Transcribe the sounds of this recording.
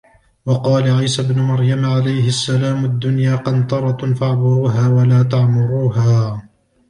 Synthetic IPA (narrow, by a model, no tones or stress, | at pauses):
wɑqɑːlaʕajsabnʊmaɾjamʕalajhɪasːalaːmʊd̪ːʊnjaːqɑnt̪ɑɾˤɑfaʕbʊɾuːɦaːwalaːt̪aʕmʊɾuːɦaː